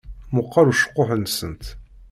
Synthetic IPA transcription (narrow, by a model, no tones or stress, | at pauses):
mʊqːɑɾuʃə̥qːʊħənsə̰nt̪